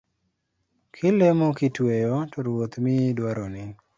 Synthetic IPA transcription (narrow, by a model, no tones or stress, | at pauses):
kʰɪlemokɪtwejotoɾwot̪midwaɾɔnɪ